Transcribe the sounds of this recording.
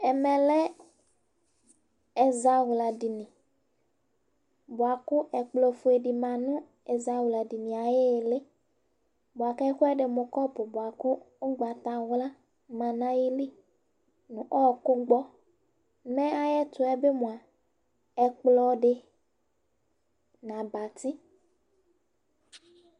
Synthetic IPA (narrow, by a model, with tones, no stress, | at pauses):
ɛ˨mɛ̃˨lɛ˦ | ɛ˨za˦ɣla˨ɖi˨nĩ˨ | bo˨a˨kʊ˦ʔɛ˨k͡plɔ˨fu˦e˨ɖi˨mã˨nʊ̃˦ | e˨za˨wu˨la˨di˨nĩ˨a˨je˦˨le˦ | bʊ˨a˨kɛ˦xʊ˦ɛ˦ɖe˨mʊ̃˨kɔ˦pʊ˨bo˨a˨kʊ˦ | ʊ˦ɡ͡ba˨t̪a˨wla˦ | mã˨nã˦ji˦li˦ | nũ˨ʔɔ˦˨kʊ˦ɡ͡bɔ˦ | mẽ˦a˨jɛ˦t̪ʊ˨˦ɛ˦be˦mũ˨a˨ | ɛ˨k͡plɔ˨ɖe˨ | nã˨ba˨t̪i˦